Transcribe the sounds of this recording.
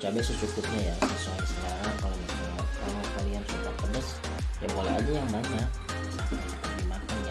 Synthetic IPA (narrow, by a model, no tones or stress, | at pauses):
t͡ʃabɛtsəsukʊt̪̚ɲajasəsuajsəkaɾakalomit̪aŋat̪̚kalokaliansukak̪ənəs | jaŋolɛʔa̰d͡ʒajaŋbaɲak | sakat̪akandimakan